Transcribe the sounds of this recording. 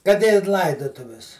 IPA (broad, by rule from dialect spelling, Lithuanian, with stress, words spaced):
kɐt ɪ ˈlˠɐɪdʊtʊʋʲɪs